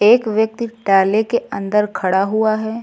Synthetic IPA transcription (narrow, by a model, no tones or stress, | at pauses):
eːkʋjək̚t̪iɖaːlekeə̰̃nd̪əɾkʰɐɽaɦuaɦɛː